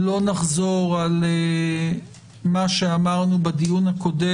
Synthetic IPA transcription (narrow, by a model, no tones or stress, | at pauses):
lo̞naχzo̞ʁale | maʃeamaʁnubad̪ijunhako̞de